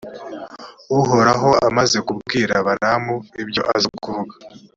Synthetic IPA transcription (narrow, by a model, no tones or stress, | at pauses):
uɦo̞ɾaɦo̞amaze̞kubɡiːɾaβaɾamuibjo̞̰ʔa̰zikuvuɡḁ